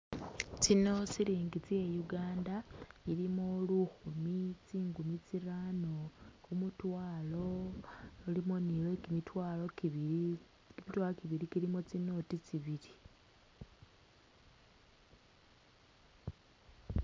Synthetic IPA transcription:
t͡sino̞t͡siɾiːŋɡit͡siejuɡaːndaiɾimoluxumit͡siːŋɡumit͡siɾaːno̞kumutwaːlo̞ː | limonilwekimitwaːlo | kimitwalokiβiɾikiɾimot͡sino̞tit͡siβiɾi

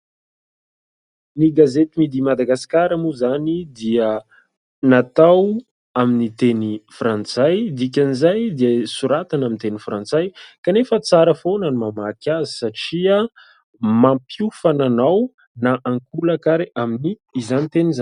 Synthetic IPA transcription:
niɡazet̪imid̪imad̪aɡasi̥kaɾamuzanid̪iə | nat̪aw | aminit̪enifrãnt͡sajd̪ik̬ʲanizajd̪iəsuɾat̪anamint̪enifrant͡sajkanefət͡saɾəfonanimamakʲazi̥saʈ͡ʂia | mampufananaw | naʔaŋkulakaɾeʔaminiːzanit̪enizan

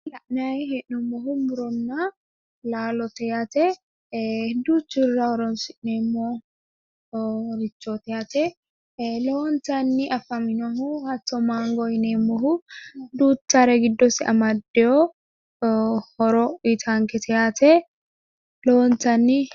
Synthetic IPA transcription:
lɐʔnajɦɛʔʊmɔɦʊmʊɾɔnːa | laːlɔt̪ɛjat̪ɛ | d̪uːt͡ʃːɪrːahɔɾɔnsɪʔnemːoː | ɾɪt͡ʃːot̪ɛjat̪ɛ | loːnt̪ɐnːiʔɐfɐmɪnɐɦuhɐt̪ːɔmaːŋɡɔjnemːɔɦud̪uːtːaɾɛɡɪd̪ːɔsɪɐ̰mɐd̪ːɛɔ | hɔɾɔit̪ʰaːŋkɛt̪ʰɛjat̪ʰɛ | loːnt̪ɐnːi

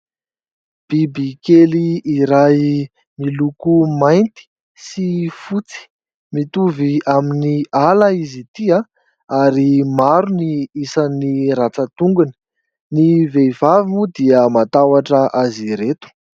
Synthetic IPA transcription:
b̥ibikeliːɾaj | milukumajnt̪i̥ | sifut͡si̥ | mit̪uviaminialaizit̪ia | aɾimaɾuniisaniɾat͡sət̪uŋɡuni̥ | nivevavimud̪iəmat̪awaʈ͡ʂəʔaziɾet̪u̥

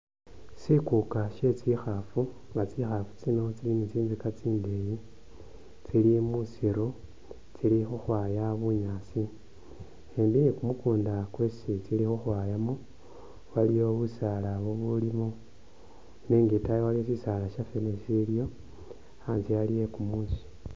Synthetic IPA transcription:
sikukaʃe̞t͡sixafu | ŋɡat͡sixafu̥t͡sino̞t͡silimut͡siːnzikat͡siːndeji | t͡silimusiɾu | t͡silixuxwaːjaβuɲaːsi | embijekumukuːndakwesit͡silixuxwajamo | walijo̞βusalaβoβulimo | neːŋɡitajwalijosisalaʃafenesiljo̞ | aːnzijalije̞kumusi̥

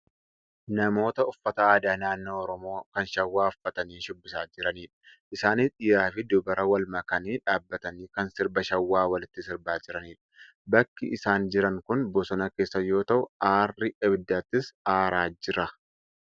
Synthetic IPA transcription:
nɐmo̞ːt̪ɐʊfːɐt̪aːɐd̪aːnaːnːo̞ːɔɾɔmo̞ːkɐnʃɐwːaːʊfːɐt̪ɐniːʃʊbːɪsaːd͡ʒɪɾɐniːᶑɐ̥ʔɪsaːniːᶑɪjaːfɪd̪ʊbɐɾɐwɐlmɐkɐniːᶑaːbːɐt̪ɐniːkɐnsɪɾbɐʃɐwːaːwɐlɪt̪ːɪsɪɾbaːd͡ʒɪɾɐniːᶑɐ̥ | bɐkːɪʔsaːnd͡ʒɪɾɐŋkʊnbɔsɔnɐke̞ːsːɐjo̞ːt̪ɐʔʊaːrːɪʔɛbɪd̪ːaːt̪ːɪsaːɾaːd͡ʒɪɾɐ

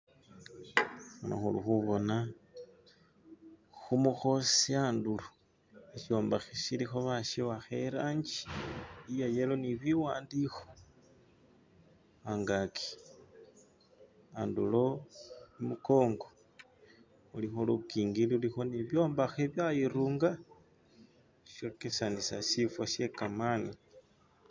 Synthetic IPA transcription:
xano̰xulṵxuβo̞na | xumuxo̞siandulo | eʃio̞ːmbaxeʃilixo̞βaʃiwaxeɾaɲd͡ʒi̥ijajelo̞niβiwaːndixo̥ | aŋɡakʰi̥ | andṵlo̞imuko̞ːŋɡo̞ | ulixolukiːŋɡiliulixo̞niβjo̞ːmbaxeβjajiɾuːŋɡa | ʃokesanisa̰ʃifwaʃe̞kamani

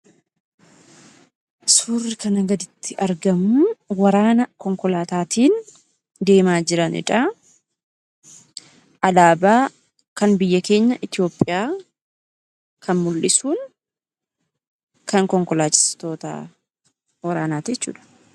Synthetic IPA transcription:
suːrːɪkɐnɐɡɐd̪ɪt̪ʰːɪʔɐɾɡɐmʊwɐɾaːnɐkɔŋkɔlaːt̪aːt̪iːn | d̪e̞ːmaːd͡ʒɪɾɐnɪ̰ᶑɐ | ʔɐlaːbaː | kɐnbɪjːɐke̞ːɲːɐʔɪt̪ɪjo̞ːpʼːɪjaː | kʰɐnmʊlːɪsuːn | kɐŋkɔŋkɔlaːt͡ʃʼːɪ̥st̪o̞ːt̪a̰ː | wɐɾaːnaːt̪d͡ʒɛt͡ʃːṵːᶑɐ̥

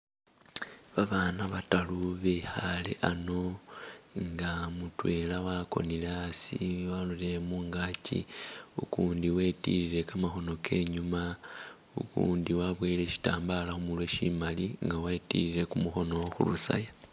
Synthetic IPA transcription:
βaβaːnaβataluβexalḛʔano̞ | ŋɡamutwe̞lawako̞̰nileasiwalulemuŋɡacḭukuːndiwetiɾiɾe̞kamaxo̞no̞ke̞ɲuma | ukṵːndiwaβweːle̞ʃi̥taːmbalaxumulweʃimaliŋɡawaitḭɾile̞kumuxo̞no̞xṵlusa̰ja

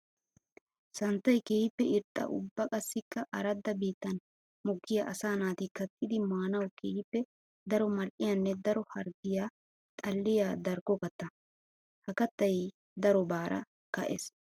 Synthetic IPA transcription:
sɐnt̪ːɐjkehɪpːɛɪɾt̪ʼːɐ̰ʔʊ̰bːɐkʼɐsːɪkːɐʔɐɾɐd̪ːɐbiːt̪ːɐn | mʊɡːɪjaʔɐsaːnaːt̪ɪkːɐt̪ʰːɪd̪ɪmaːnɐwkeːjɪpːɛ | d̪ɐɾɔmɐlʔɪjɐnːɛd̪ɐɾɔhɐɾɡɪja | t̪ʼɐlːɪjaːd̪ɐɾɡɔkɐt̪ːɐ | hɐkɐt̪ːɐj | d̪ɐɾɔbaːɾʔɐ̰ | kɐʔḛs

